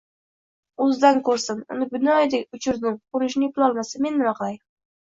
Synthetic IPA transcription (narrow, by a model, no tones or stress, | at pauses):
ʊzd̪ankʰɵɾsɪnʊ̰nɪbɪnɒjd̪ekʲʊt͡ʃʰɪɾnɪŋqʊɾɪʃ̬nɪpɪlˠɒlˠmasɪmenmɪɾɒqlˠaj